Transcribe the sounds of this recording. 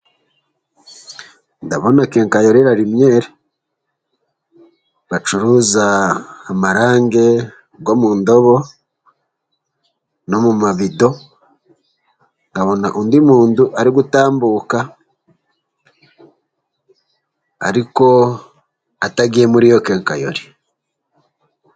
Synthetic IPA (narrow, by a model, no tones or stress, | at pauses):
ndaβo̞nakeŋkajo̞ɾeɾaɾimje̞ːɾe | βat͡ʃuɾuzaːmaɾaːŋɡe̞ | ɡo̞muːndo̞βo̞ | no̞mumaβido̞ | ŋɡaβo̞naʔuːndimuːnduʔaɾiɡutaːmbuka | a̰ɾiko̞ | ataɡiemuɾijokeːŋka̰jo̞̰ɾi